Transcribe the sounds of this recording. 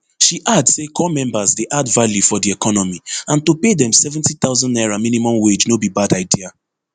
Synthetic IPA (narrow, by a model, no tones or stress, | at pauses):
ʃiʔadsekʰɔmɛ̃mbazdeʔadvaljufɔdiɛkʰɔnɔmiãntopedɛ̃msɛvɛ̃ntit̪aʊzɔ̃nnaɪɹãmĩnimɔ̃mwed͡ʒnobibadaɪdia